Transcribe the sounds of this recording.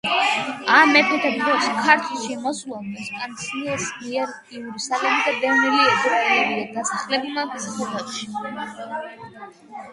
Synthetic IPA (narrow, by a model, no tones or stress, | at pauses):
amɛpʰɛt̪ʰɛbd̪ɾɔskʰaɾt̪ʰlˠʃimɔsulˠaɛskʼant̪sʰniɛsmiɛɾ | iuɾusalɛbid̪ab̪ɛvniɾiɛzɾaliɛɾiad̪asaχlɛbimaksχɔvatʃi̥